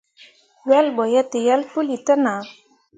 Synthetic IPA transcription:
wɛlbɔjat̪ejalpulit̪əna

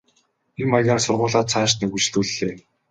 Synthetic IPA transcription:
imaɣʲaːrsʊrʁʊːɮaːt͡sʰaːʃnekut͡ɕɮuːɮːeː

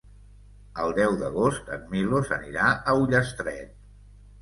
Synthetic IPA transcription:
əlˠd̪ɛwðəɣ̞ost̪ə̰d̚milosəniɾaəuʎəst̪ɾɛ̰t̪

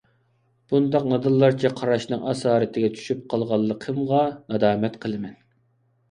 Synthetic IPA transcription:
b̥und̪ɑq̚nɨd̪ɨlˠːɑɾt͡ʃʰɛqʰɑɾɑʃnɨŋʔɑsɑːɾɨt̪ʰɪɡʲɛt͡ʃʰy̥ʃyp̚qʰɑlˠʁɑlˠːəqʰəmʁɑnɑd̪ɑːmɛt̪qʰəlˠɨmɛn

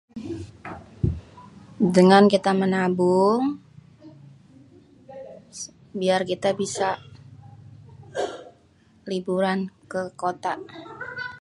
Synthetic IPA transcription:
dəŋankit̪amənabu | biarkit̪abisa | libuɾankəkot̪a

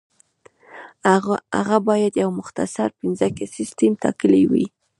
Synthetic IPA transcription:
a̰ɣabɑjad̪jawmʊxt̪a̰saɾpɪnzakesɪst̪emt̪ɑ̰kəliwḭ

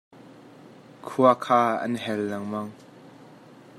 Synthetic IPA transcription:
kʰuakʰaːɐ̰nɦɛlnɐŋmɐŋ

